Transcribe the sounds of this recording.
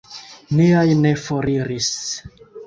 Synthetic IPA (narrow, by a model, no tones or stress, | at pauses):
niajne̞foɾiɾis